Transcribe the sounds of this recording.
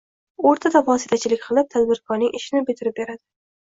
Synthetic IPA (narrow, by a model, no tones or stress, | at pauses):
oɾt̪ʰad̪avɒsit̪ʰat͡ʃʰɪlɪk̚ʲqʰɨlˠɪp̚t̪ʰad̪bɪɾkʰɒɾnɪŋʔɪʃɪnɪbɪt̪ʰɪɾɪp̚beɾad̪ɪ